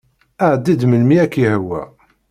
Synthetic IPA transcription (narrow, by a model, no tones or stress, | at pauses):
əʕd̪ːid̪məlmiækːjhəwːæ̰